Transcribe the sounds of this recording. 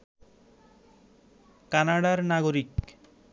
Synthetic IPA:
kanaɽaɾnaɡoɾik

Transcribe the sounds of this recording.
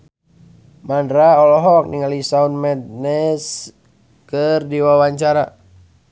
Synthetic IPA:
mandɾaɔlɔɦɔk̚niŋalisaunmɛt̪̚nɛs | kɨrdiwawaɲt͡ʃaɾa

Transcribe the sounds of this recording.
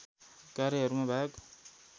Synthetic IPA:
kaɾjeɦʌɾumabʱak

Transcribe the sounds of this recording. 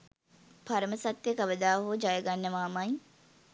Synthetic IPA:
pʰaɾəməsat̪ːjekɐʋəd̪aːɦud͡ʒajəɡanːəʋaːmɐj

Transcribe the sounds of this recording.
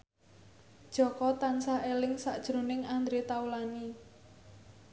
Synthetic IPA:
d̥ʒ̥ɔ̤kɔt̪ansaʔelɪŋsad̥ʒ̥ɾṳnɪŋand̪ɾet̪aulani

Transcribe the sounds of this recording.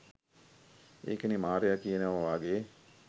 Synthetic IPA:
ḛːkənimaːɾejakijenəʋɐʋaːɡeː

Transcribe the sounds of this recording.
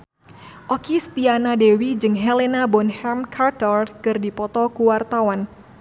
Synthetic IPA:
ʔɔkist̪ianadewid͡ʒɨŋɦɛlenabɔnhɛmkʰart̪ɔrkɨrdipɔt̪ɔkuwart̪awan

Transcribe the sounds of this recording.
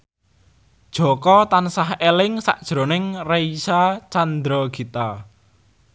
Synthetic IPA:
d̥ʒ̥ɔ̤kɔt̪ansaɦelɪŋsa̰ʔd̥ʒ̥ɾo̤nɪŋreisat͡ʃand̪ɾɔɡ̥i̤t̪a

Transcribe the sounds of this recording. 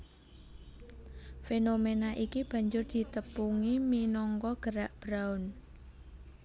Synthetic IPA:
fenomenaʔikib̥a̤ɲd͡ʒʊrd̪̥i̤t̪əpuŋiminɔŋkɔɡ̥əɾaʔb̥ɾaʊn

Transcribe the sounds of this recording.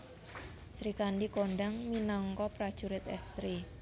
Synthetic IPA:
sɾikanɖikoɳɖaŋminɔŋkɔpɾad̥ʒ̥uɾɪt̪ɛst̪ɾi

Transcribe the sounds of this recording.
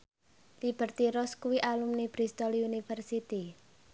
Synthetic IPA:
lib̥ə̤rt̪iɾɔskuwiʔalumnib̥ɾist̪ɔliunifərsit̪i

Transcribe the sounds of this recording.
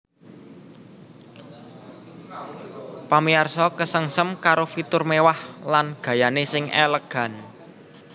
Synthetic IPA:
pamiarsɔkəsəŋsəmkaɾofit̪ʊrmewahlanɡ̥ä̤janesɪŋeləɡ̥a̤n

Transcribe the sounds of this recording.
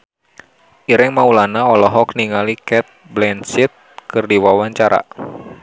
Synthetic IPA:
ʔiɾɪŋmaulanaɔlɔɦɔk̚niŋalikɛt̪̚blɛnsit̪̚kɨrdiwawaɲt͡ʃaɾa̰

